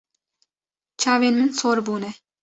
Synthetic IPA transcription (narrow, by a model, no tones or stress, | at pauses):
t͡ʃʰavenmɪnsoɾbuːnɪ